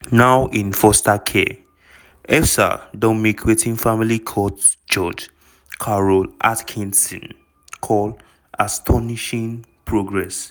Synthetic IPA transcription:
nawʔĩnfɔstakʰḛ | ɛfsa̰dɔ̃mikʰwetĩŋfamilikʰɔd | d͡ʒɔd͡ʒ | kʰaɹɔlʔatkʰĩnsɔ̃n | kʰɔl | astʰɔniʃĩŋpʰɹoɡɹɛs

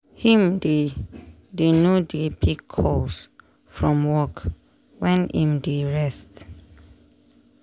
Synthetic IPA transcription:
hĩmde | denudepʰikʰːɔs | fɹɔ̃mwɔk | wɛ̃nʔĩmdeɹɛst

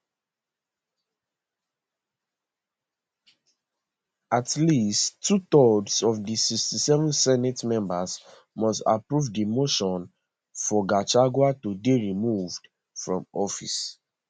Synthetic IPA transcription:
atlistːutɔdsɔvdisikstisɛvɔ̃nsɛnɛtmɛ̃mbaz | mɔsta̰pɹuvdimoʃɔ̃n | fɔɡat͡ʃaɡwatudeɹimuvd̥ | fɹɔ̰̃mɔfis

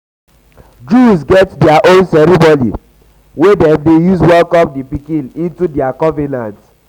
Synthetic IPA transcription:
d͡ʒus̬ɡɛtdɛaʔõnsɛɾibɔlḭ | wedɛ̃mdejuswɛlkɔp̚dipikĩnĩntudɛakɔvɛnãnt

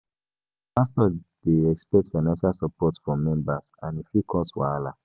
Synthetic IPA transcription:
pastɔd̥eɛkspɛk̚tfaɪnãnʃalsɔpɔtsfɔmɛ̃mbasãnifikʰɔswala

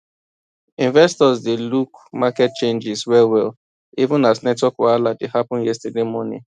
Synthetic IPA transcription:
ĩnvɛstɔzdelukmakɛt̚t͡ʃẽnd͡ʒɪswɛlwɛl | ivũnaznɛtwɔkwɔaladehapɔ̃njɛstədemɔnḭ̃

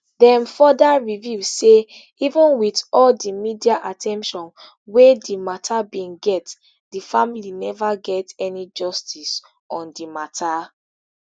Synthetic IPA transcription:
dɛ̃mfɔdaɹivjuse | ivə̃nwitɔldimidiaʔatʰɛ̃mpʃɔ̃n | wedimatʰabĩnɡɛt | difamilinɛvaɡɛtɛnid͡ʒɔstʰis | ɔ̃ndimatʰa

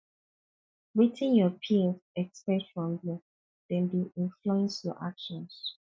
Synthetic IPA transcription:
ɹitʰĩnjɔpʰisɛkspɛtfɹɔ̃mju | d̥ɛ̃nbiʔĩnfluɛ̃nsjɔ̰ʔakʃɔ̃ns

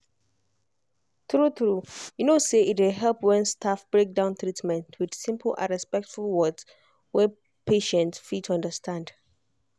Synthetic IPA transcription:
θɹuθɹujunoseʔit̬welɦɛlˠpwɛ̃nstʰafb̥ɹek̚dãʊ̃nt̪ɹitmɛ̃ntʰwɪd̥sĩmpʰl̩ʔã̰nɹɛspɛk̚tfulˠwɔds | wɛ | pʰeʃɛ̃ntsfitʰʌ̃ndəstʰãnd̥

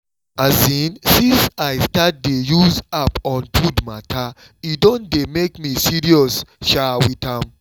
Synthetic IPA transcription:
azĩnsĩnsaɪstat̚dejuzapɔ̃nfudmatʰa | idõndemekmisiɹiɔsʃawitãm

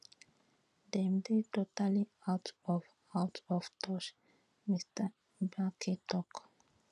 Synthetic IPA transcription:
d̪ɛ̃mdetotaliawtɔv | awtʰɔft̪ʰɔʃ | mistʰə | bakʰitɔk

